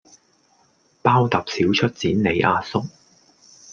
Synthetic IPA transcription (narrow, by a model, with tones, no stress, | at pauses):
paː˥wt̪ɐ˨p̚si˨˥wt͡ʃʰɵ˥t̚t͡siː˨˥nne˨˧jʔaː˧sʊ˥k̚